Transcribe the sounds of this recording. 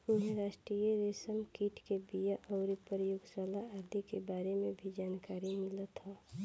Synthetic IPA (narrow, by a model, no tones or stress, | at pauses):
ʊnɦẽɾaːʃʈɾijəɾeːsəmkiːʈʰkebijaʔɔːɾipəɾjʊɡsalaəɾd̪ʱikebaːɾemẽbʱid͡ʒaːnkaːɾimɪlət̪ɦɔː